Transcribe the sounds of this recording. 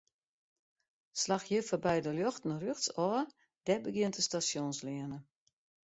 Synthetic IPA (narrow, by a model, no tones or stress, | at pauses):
slaxjəfɔrbɛjdəljoxtn̩røxtsɔ | d̥ɛbəɡjɪəntəstasjonslɪənə